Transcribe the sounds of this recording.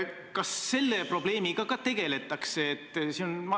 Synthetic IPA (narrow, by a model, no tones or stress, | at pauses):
kɑsːe̞lːe̞pro̞b̥le̞ːmiɡɑkɑt̪e̞ɡ̥e̞le̞t̪ːˑɑkseːt̪ːˑsinonmɑ